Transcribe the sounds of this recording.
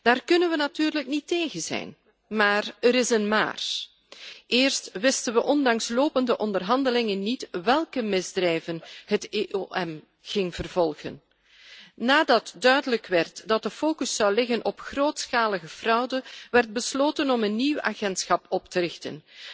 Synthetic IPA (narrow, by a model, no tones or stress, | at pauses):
d̥aːrkɵnənʋənatyːrləkniteːɣənzɛ̰jn | maːrəɾɪsənma̰ːr | ʔɪːrstʋɪstənʋəʔɔndɑŋsloːpəndəʔɔndərɦɑndəlɪŋənːitʋɛlˠkəmɪzdrɛjvənhəteʔoʔɛm | ɣɪŋv̥ərvɔlˠɣə̰nː | aːdɑtdœɥdələkʋɛrtdɑt̚dəfoːkɵsːɑwlɪɣənʔɔpxroːtsxaːləɣəv̥rʌwdəʋɛrd̚bəsloːtənɔmənːiwa̰ːɣɛntsxɑpɔptəɾɪxtə̰n